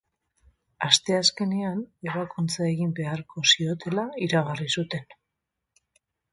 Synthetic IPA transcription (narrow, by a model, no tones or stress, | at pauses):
ast̪e̞aske̞ne̞ane̞β̞akunt͡sae̞ɣimbe̞aɾko̞sio̞t̪e̞laiɾaɣarisut̪e̞n